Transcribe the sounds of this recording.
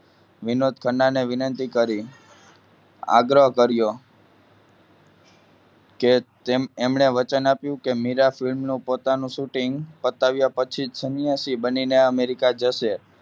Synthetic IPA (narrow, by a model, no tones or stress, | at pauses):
ʋɪnod̪̚kʰəɳɖaneʋɪnənt̪ikəɾi | a̰ɡɾəɦkəɾjo | ket̪ememɳeʋət͡ʃənapjũkemiɾafilmnũpot̪anũʃuʈiŋɡpət̪aʋjapət͡ʃʰisənjasibənineəmeɾikad͡ʒəʃe